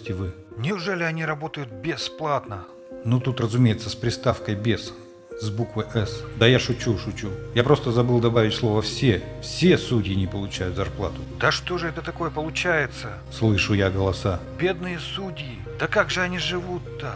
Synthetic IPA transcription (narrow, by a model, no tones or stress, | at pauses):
tʲɪvɨ | nʲɪʊʐɛlʲɪɐnʲiɾɐbo̞t̪əjʊt̪̚bʲɪsplˠat̪nə | nut̪ut̪rəzʊmʲejɪt̪səspɾʲɪst̪afkəjbʲes | zbukvəjʔɛsd̪əjaʂʊt͡ɕuʂʊt͡ɕujapɾo̞st̪əzɐbɨlˠd̪ɐbavʲɪtʲslˠo̞vəfsʲefsʲesudʲɪjɪnʲɪpəlˠʊt͡ɕæjʊt̪zɐrplˠa̰t̪ʊd̪əʂt̪o̞ʐɨɛt̪ət̪ɐko̞jəpəlˠʊt͡ɕæjɪt̪sə | slˠɨʂʊjaɡəlˠɐsabʲe̞d̪nɨjəsudʲɪjɪ | d̪̥əkaɡʐɨɐnʲiʐɨvut̪ːə